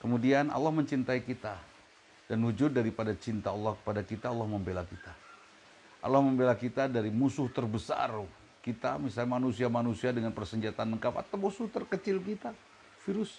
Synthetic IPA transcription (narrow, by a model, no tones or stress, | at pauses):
kəmudiana̰lːahməɲt͡ʃint̪aikit̪a | d̥anwud͡ʒʊdːaɾipadat͡ʃint̪aːlːɔhkə̥padakit̪aːlːahməmbelakit̪a | ʔa̰lːahməmbelakit̪adaɾimusʊht̪ərbəsa̰r | kit̪amisalɲmanusiamanusiadəŋanpərsəɲd͡ʒat̪anːəkapa̰t̪awmusʊht̪ərkət͡ʃɪlkit̪a | fiɾʊs